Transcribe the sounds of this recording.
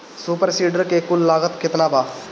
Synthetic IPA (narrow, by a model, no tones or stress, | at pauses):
suːpəɾsiːɖəɾkekʊlːaːɡət̪kʰɪt̪naːbaː